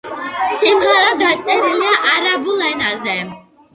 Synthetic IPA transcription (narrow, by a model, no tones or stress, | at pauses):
simʁɛɾad̪at̪sʼɛɾiliaʔaɾabulɛnazɛ